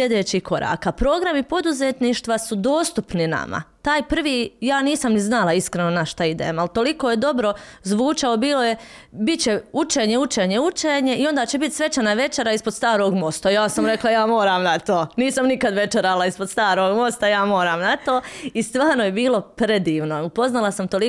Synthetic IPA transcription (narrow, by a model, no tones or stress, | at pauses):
ed̪eːt͡ɕihko̞ɾa̰ːkapɾo̞ːɡɾamipo̞d̪uzet̪niːʃt̪ʋasud̪o̞ːst̪upnina̰ma̰t̪aːjpr̩ʋiːjaːniːsamniznalˠaiskɾeno̞naʃt̪aid̪ḛmalt̪o̞likojed̪o̞bɾo̞zʋuːt͡ʃao̞biːlˠo̞je̞ | bit̪t͡ɕe̞ut͡ʃeːɲeut͡ʃeɲe̞ut͡ʃeːɲe̞io̞nd̪aːt͡ɕebit̪sʋe̞t͡ʃanaʋe̞t͡ʃeɾaispod̪st̪aːɾo̞ːɡmo̞st̪ajaːsamɾe̞klˠajaːmo̞ːɾaːmnat̪o̞ːniːsamnikad̪ʋe̞t͡ʃeɾalˠaispod̪st̪aːɾo̞ːɡmo̞st̪ajaːmo̞ːɾaːmnat̪o̞ːist̪ʋaːɾnoje̞biːlˠo̞pɾe̞d̪iːʋnoupo̞znalˠasamt̪o̞li